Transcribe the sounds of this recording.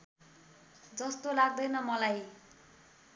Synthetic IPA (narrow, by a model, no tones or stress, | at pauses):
d͡zʌst̪olaɡ̚d̪ʌjnʌmʌlaj